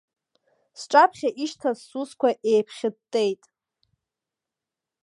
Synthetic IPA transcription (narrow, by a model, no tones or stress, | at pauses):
sʈ͡ʂʼapʰχʲaʔiʃtʰazsuskʷʰaʔejpʰχʲɪdtʼejtʼ